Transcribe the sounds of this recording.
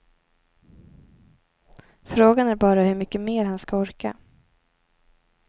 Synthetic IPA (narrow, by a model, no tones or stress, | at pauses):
fɾoːɡanæɾbɑːɾahɵɾmʏkːəmeːɾhanskaɔɾka̰